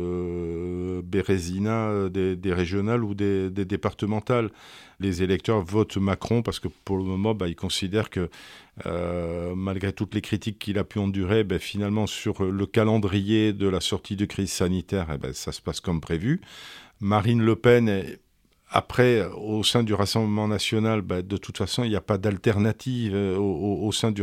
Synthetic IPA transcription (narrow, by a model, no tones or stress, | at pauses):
ø | beʁezinaød̪ed̪eʁeʒjɔnalud̪ed̪ed̪epaʁt̪əmɑ̃t̪allezelɛk̚t̪œʁvɔt̪makχɔ̃paʁsə̥kəpuʁləmɔmɑ̃bɛilkɔ̃sid̪ɛʁkəø̰malɡʁet̪ut̪lekχit̪ikʰːilapyɑ̃d̪yʁebɛfinalmɑ̃syʁləkalɑ̃d̪ʁijed̪əlasɔʁt̪ʰid̪əkχizsanit̪ɛʁɛ̰bɛ̰sasə̥paskɔmpχevymaʁinləpɛn | a̰pχɛosɛ̃d̪yʁasɑ̃bləmɑ̃nasjɔnalbad̪ət̪ut̪fasɔ̃iljapad̪alt̪ɛʁnat̪ʰivooːsɛ̃d̪y